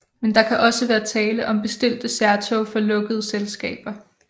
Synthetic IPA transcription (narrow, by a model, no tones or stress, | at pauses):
mend̥ɑ̈kʰæʔɒ̽səʋæːɐt͡sʰɛːləʔɒ̽mb̥e̝sd̥e̝l̰d̥əsæɐt͡sʰofɒ̽lɔ̽ɡ̥əð̞ˠəselsɡ̥ɛ̰ːb̥ɐ